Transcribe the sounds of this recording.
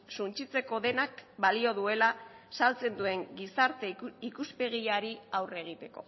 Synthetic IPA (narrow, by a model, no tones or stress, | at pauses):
sunt͡ʃit͡se̞ko̞ðe̞nakbalio̞ðue̞lasalt͡se̞nd̪ue̞ŋɡisaɾt̪e̞ikuspe̞ɣ̞iaɾiawre̞ɣ̞it̪e̞ko̞̰